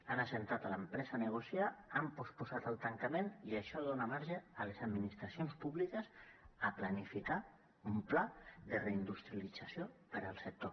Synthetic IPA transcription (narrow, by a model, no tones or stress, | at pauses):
anasent̪at̪ələmpɾɛzənəɣ̞usjaːmpospuzat̪əlˠt̪aŋkameniəʃɔðonamaɾʒəːlezad̪minist̪ɾasionspuβlikəsəplanifika | umplaðəreind̪ust̪ɾijalid͡zasjopəɾəlˠsək̚t̪o